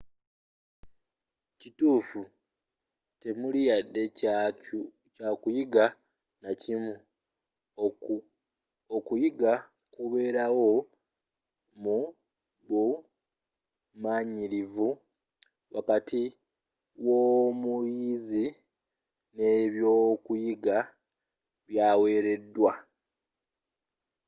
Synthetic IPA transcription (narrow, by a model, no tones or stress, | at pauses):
cituːfu | te̞mulijadːe̞ | caːkujiɡa | nacimu | okujiɡa | kuβe̞ːɾawo̞ | mu | βu | maɲiɾivu | βa̰katʰi | wo̞mujizi | ne̞βjo̞kujiɡa | βjaːwe̞ːɾe̞dːwa